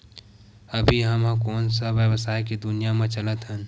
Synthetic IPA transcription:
əbʱiɦəmɦkoːnsəʋjəwəsaːikid̪ʊnijamẽt͡ʃələt̪ɦən

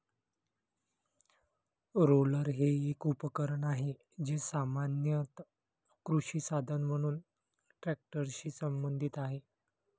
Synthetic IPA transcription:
ɾoləɾɦeekupəkəɾəɳaɦe | d͡ʑesamanjət̪ | kɾuɕiːsad̪ʱənm̤əɽ̃uːn | ʈɾæk̚ʈəɾɕiːsəmbənd̪ʱit̪aɦe

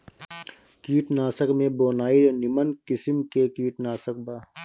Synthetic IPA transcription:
kiːʈnaːsəkmẽboːnaːionɪmənkɪsəmkekiːʈnaːsək̚baː

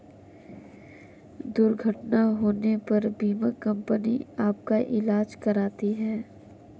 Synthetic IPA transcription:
d̪ʊɾɡʱəʈnaɦoːnepɐɾbiːmakɐ̃mpəniaːp̚kaʔɪlaːd͡ʒkɐɾaːt̪iɦɛː

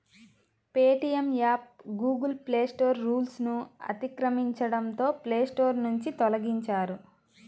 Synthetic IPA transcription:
peːʈijemjaːp̚ɡuːɡɐlpleːsʈo̞ːɾːuːlsnuɐ̰t̪ikɾɐmiɲt͡ʃɐɽɐnt̪o̞ːple̞ːsʈo̞ːɾnuɲt͡ʃit̪ɔlɐɡiɲt͡ʃaːɾu

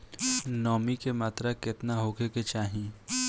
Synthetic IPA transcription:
nɔːmikemaːt̪ɾakɪt̪naɦoːɡeket͡ʃaːɦĩː

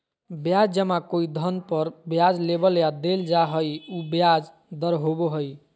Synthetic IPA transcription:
bjad͡ʒd͡ʒəmãkoid̪ʱənpəɾbjad͡ʒlebəljad̪eld͡ʒaɦəjubjad͡ʒ | d̪əɾɦoboɦəj

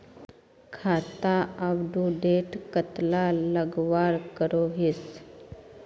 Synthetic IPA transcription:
kʰat̪aaʋɖuɖeʈkət̪laləɡʋaɾkəɾoɦis

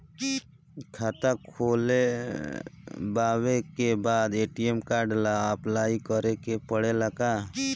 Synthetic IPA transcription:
kʰat̪akʰoːle | baːwekebaːd̪eːʈiemkaɖlaplaːikəɾekepəɽeləɡaː

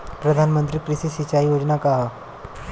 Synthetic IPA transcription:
pɾəd̪ʱanmənt̪ɾiːkɾisisit͡ɕaijod͡ʑnakaɦa

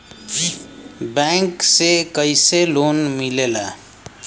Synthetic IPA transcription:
bɛ̃ŋksekəɪseloːnmilela

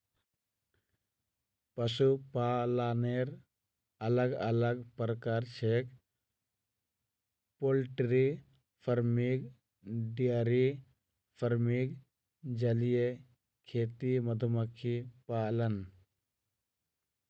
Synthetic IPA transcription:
pɐsupaːlaːneɾ | ɐləɡɐ̰ləɡpɾəkaːɾt͡ʃek | polʈɾi | pʰəɾmiɡ | ɖijaɾi | fʰəɾmiɡ | d͡ʒɐlije | kʰeːt̪imɐd̪ʱuməkʰipaːlən

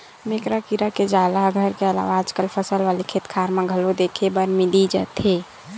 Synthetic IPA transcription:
mekɾakiɾaked͡ʒalaɡʱəɾkeəla̰ʋaːd͡ʒkəlpʰəsəlʋalikʰet̪kʰaɾmeɡʱəlod̪ekʰebəɾmid̪id͡ʒə̰t̪ɦe

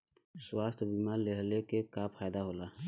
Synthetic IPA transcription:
swaːst̪ʰbiːmaːɾleɦlekekaːpxaːjd̪aɦoːlaː

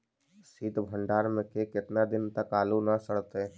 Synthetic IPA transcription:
siːd̪ʱbʱə̃ɳɖaːɾmẽkekɪt̪nad̪ɪnt̪əkaːlunasəɽt̪e

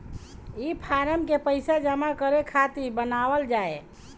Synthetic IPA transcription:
ipʰaɾəmkepəɪsad͡ʒəmakəɾekʰat̪ibənawəld͡ʒae

